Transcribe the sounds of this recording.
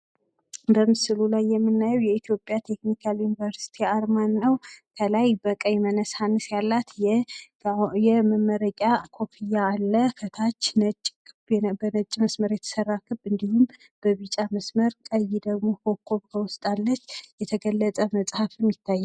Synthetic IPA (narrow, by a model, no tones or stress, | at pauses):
bəmɨsɨlulajːɛmːɨnːajɛwjɛit̪ʰijo̞pʼjat̪ʰe̞knikʰaljunivəɾsi̥t̪ʰiaɾmanːəwkʰəlajbəkʼəjmənəsanːɨsjalːat̪jɛ | jɛməmːəɾəkʼakʰo̞pʰijaːlːəfət̪ʰat͡ʃːnət͡ʃʼːkʰɨbbənət͡ʃʼməsməɾjɛt̪ʰə̥sərːakʰɨbɨnd̪ihum | b̥əβɨt͡ʃʼaməsməɾkʼəjid̪əɡmo̞hʰo̞βkʰːo̞βkʰəwʊst̪ʼalːət͡ʃːjɛt̪ʰəɡəlːət͡sʼəməsʼhafmjɪt̪ʰːajːa